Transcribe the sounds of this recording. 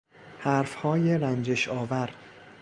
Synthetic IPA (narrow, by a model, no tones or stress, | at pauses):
hæɾfhɒːjeɾænd͡ʒeʃɒːvæɾd̪̥